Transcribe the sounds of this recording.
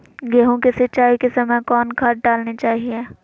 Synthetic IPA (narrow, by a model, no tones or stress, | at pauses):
ɡɛːɦõkesɐt͡ʃaːikesɐməjkɔːnkʰɐʈ̚ɖaːlnet͡ʃaːɦieː